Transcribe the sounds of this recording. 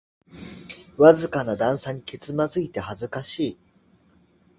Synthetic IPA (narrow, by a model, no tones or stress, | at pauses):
βazɨkanad̪ãɰ̃saɲ̟ike̞t͡sɨmazɨit̪e̞hazɨkaɕiː